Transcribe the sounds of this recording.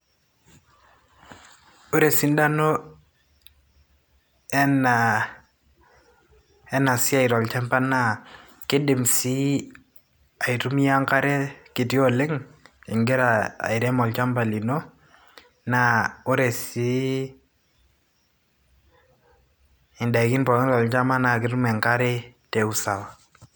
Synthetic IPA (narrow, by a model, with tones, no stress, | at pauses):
o˦ɾe˨si˦n˦da˦no˦ | ɛ˦na | ɛ˦na˨sɪ˦a˦˨ɪ˨ɾɔ˨lt͡ʃɛ˦mpa˦na˨ | kɪ˦dɪ˨msi˦ | a˨i˨tu˦mi˦ja˦ŋka˦ɾɛ˦kɪ˨ti˦ɔ˦lɪ˦ŋɪ˨ŋɡɛ˦ɾa˨a̰˨ɪ˨ɾɛ˦mɔ˨lt͡ʃa˦mba˨li˨no˦ | na˦o˦ɾɛ˨si˦ | ɪ˨nda˨kɪ˦npɔ˨ɾɔ˦ŋɾɔ˨lt͡ʃa˦ma˦na˨kɪ˦ɾu˦mɛ˨ŋka˦ɾɛ˦te˨u˦sa˨wa˨